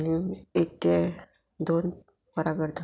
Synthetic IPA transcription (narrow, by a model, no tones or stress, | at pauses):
niek̚e | d̪on | pəɾaɡəɾd̪a